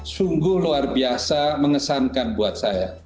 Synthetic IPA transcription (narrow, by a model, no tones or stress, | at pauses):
suŋɡʊhluarbiasaməŋəsankanbuat̪̚saja